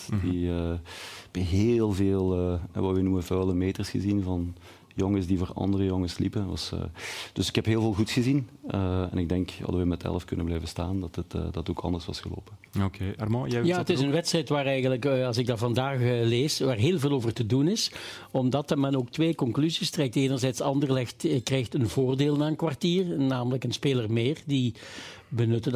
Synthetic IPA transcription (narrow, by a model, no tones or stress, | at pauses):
diəb̥ɛɦelˠveːlˠəɛ̰ʋɑʋɛnuməvœːləmeːtərsxəzinvɑn | joŋəsdivoːrɑ̰ndərəjoŋəslipənʋɑ̰sə̰ːd̥ɵsɪ̥kɛpɦeːlˠveːlˠɣutsxəzinəɛ̰nɪɡ̚dɛŋkhɑ̰dəʋɛmɛtʰɛ̰ləfkɵnəblɛjvəstaːndɑtətːdɑttoːkʰɑ̰ndərsʋɑ̰sxəlo̰ːpəokʰeːarmõjjaːətɪsənʋɛtstrɛjtʋaːrɛjɣənləkɑlˠsɪɡ̚daːrvɑndaːxleːsʋaːrɦeːlˠveːlˠoːvərtədunɪs | ɔmdɑtərmɛnoːk̚tʋeːkɔŋklyzistrɛk̚teːnərzɛjtsɑndərlɛxtkrɛjxtənvoːrdeːlˠnaːənkʋartiːrnaːmələkənspeːlərmeːrdi | bənɵtə